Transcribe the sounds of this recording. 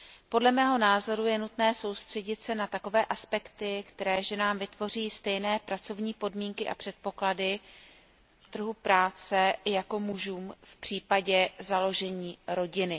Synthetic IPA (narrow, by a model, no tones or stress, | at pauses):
po̞dlɛmɛːɦo̞naːzo̞ɾujɛnut̪nɛːso̞wst̪r̥ɛɟɪt̪sɛnat̪ako̞vɛːʔaspɛkt̪ɪkt̪ɛɾɛːʒɛnaːmvɪt̪vo̞r̝iːst̪ɛjnɛːpɾat͡so̞vɲiːpo̞dmiːŋkɪʔa̰pr̝̥ɛt̪̚po̞kladɪ | t̪r̩ɦupɾaːt͡sɛjako̞muʒuːmfpr̝̥iːpaɟɛzalo̞ʒɛɲiːɾo̞ɟɪnɪ